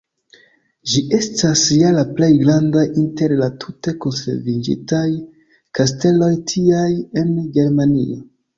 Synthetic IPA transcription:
d͡ʒiʔe̞stasjalaple̞jɡɾandajinte̞ɾlatʰute̞konse̞̰ɾvid͡ʒḭtaj | kaste̞lo̞jtʰiaje̞nɡe̞ɾmanḭo

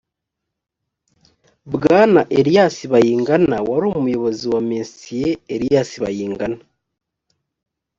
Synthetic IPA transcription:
bɡaːnaʔeɾijasiβajiːŋɡanawaɾomumujo̞βo̞ziwameːnsijeeɾijasiβa̰jiːŋɡana

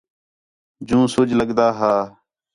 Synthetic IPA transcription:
d͡ʒũːsʊd͡ʒləɡd̪aːɦaː

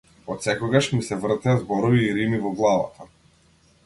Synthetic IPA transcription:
ɔt̪sɛkɔɡaʃmisɛvr̩t̪ɛazbɔɾɔviːɾimivɔɡlˠava̰t̪ʰa

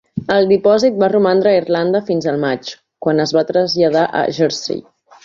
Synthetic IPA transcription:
əlˠd̪ipɔzit̪̚barumand̪ɾəirland̪əfinzəlˠmat͡ʃ | kwanəzβat̪ɾəzʎəð̞aʔə̰ʒɛɾsḭ

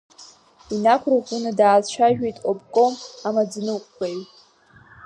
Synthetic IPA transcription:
inakʷʰrakʷunadaːt͡ʃʷʰaʒᶣejtʼobkʼomamad͡znɨqʷʼːejtʼ

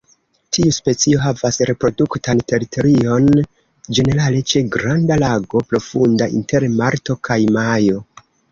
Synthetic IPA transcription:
tʰiuspe̞t͡sio̞ɦavasɾe̞pɾo̞duktante̞ɾito̞ɾio̞n | d͡ʒe̞ne̞ɾale̞t͡ʃe̞ɡɾandalaɡo̞pɾo̞fundaḭnte̞ɾmaɾto̞kʰajmajo̞

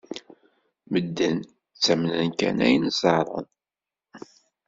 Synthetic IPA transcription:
məd̪ːən | t͡sːæmnənkæ̰næ̰jnzɑɾˤə̰n

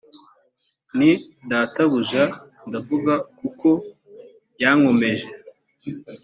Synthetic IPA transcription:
ni | daːtaβuʒa | ndavuɡakuko̞ | jaŋo̞me̞ʒe

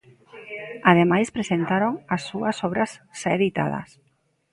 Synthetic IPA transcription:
aðemajspɾesent̪aɾoŋasːuasɔβɾasʃaeðit̪a̰ð̞ɐ̰s

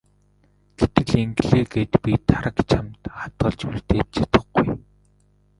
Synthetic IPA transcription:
ɡ̥et̪ɘ̆ɮeŋɡɮeːɡeːt̪pʲit̪ʰaɾə̆kt͡ɕʰamt̪χḁt̪ɢə̆ɮt͡ɕurt̪eːt̪̚t͡ɕʰḁt̪ə̆χɡuj

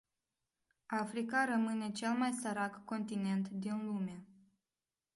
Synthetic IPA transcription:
afɾikaɾəmɨne̞t͡ʃe̞lmajsəɾakːo̞nt̪ine̞nt̪d̪inluma

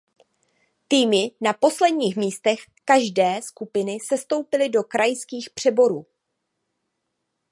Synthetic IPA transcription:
t̪iːmɪnapo̞slɛdɲiːxmiːst̪ɛx | kaʒdɛːskupɪnɪsɛst̪o̞wpɪlɪdo̞kɾʔajskiːxpr̝̥ɛbo̞ɾuː

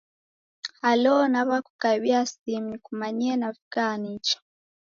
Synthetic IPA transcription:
alɔnaβaku̥kaβiasimikumaɲiɛnafuɡanit͡ʃḁ

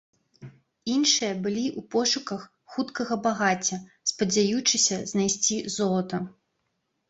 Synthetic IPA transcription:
inʂɨjɐbɨlʲiʔupɔʂukɐx | xut̪kɐɣɐbaɣat͡sʲːɐ | spɐd͡zʲajut͡ʂɨsʲɐznajsʲt͡sʲizɔlˠɐt̪ɐ

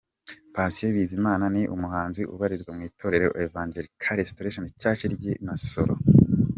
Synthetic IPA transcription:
pasieβiːzimaːnaniʔṵmuhaːnziʔṵβaɾizɡwamŋiːtʰo̞ɾe̞ɾeevaːɲd͡ʒeɾikʰaɾestoɾeʃonit͡ʃaːt͡ʃiɾɟenaso̰ɾo̰

